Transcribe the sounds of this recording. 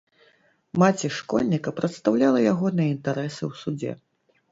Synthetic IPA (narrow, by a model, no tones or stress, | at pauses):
mat͡sʲiʂkɔ̰lʲnʲikɐpɾɐt̪st̪awlʲalˠɐjaɣɔnɨjɛint̪aɾɛsɨwsud͡zʲɛ̰